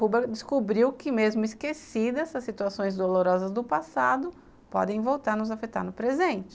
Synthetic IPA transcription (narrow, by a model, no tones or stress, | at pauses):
ubɐd͡ʒɪskobɾiwkɪmezmʊiskesid̪ɐzɐsːit̪uasõj̃zd̪oloɾɔzɐzd̪ʊpasad̪ʊ | pɔ̰d̪ẽj̃vowt̪aɾnʊzafet̪a̰ɾnʊpɾezẽnt͡ʃɪ̥